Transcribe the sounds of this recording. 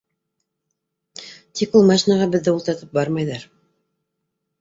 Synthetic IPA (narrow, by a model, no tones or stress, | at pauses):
t̪ʰikulˠmaʃinɑʁɑbɘ̆ðːɘulˠt̪ɑɾt̪ɤp̚bɑɾmɑjðɑɾ